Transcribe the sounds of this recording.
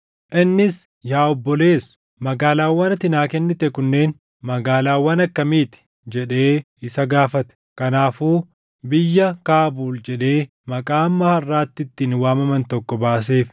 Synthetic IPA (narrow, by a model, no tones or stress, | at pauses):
ʔɪnːɪs | jaːɔbːɔle̞ːs | mɐɡaːlaːwːɐnɐt̪ɪnaːkɛnːɪt̪ɛkʊnːe̞ːn | mɐɡaːlaːwːɐnɐkːɐmiːt̪ɪ̥ | d͡ʒɛᶑe̞ː | ɪsɐɡaːfɐt̪ɛ̥kɐnaːfuː | bɪjːɐkaːbuːld͡ʒɛᶑe̞ː | mɐkʼaːmːɐhɐrːaːt̪ːɪt̪ːinwaːmɐmɐnt̪ɔkːɔbaːs̬e̞ːf